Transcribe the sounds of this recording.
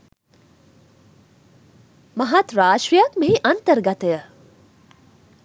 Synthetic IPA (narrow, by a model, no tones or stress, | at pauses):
mɐɦat̪ɾaːʃɾijakmiɦiʔɐnt̪əɾɡɐt̪ejə